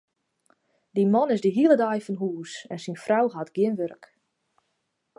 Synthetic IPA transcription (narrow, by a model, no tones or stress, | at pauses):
dimɔnɪzdiɦiəlˠədajfɔnɦuːsɛnsinfrawɦatɡjɪnʋørk